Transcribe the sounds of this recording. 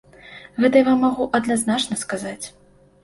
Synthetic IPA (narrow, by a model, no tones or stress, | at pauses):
ɣɛt̪ɐjavamːaɣuʔɐd̪naznat͡ʂnɐskazat͡sʲ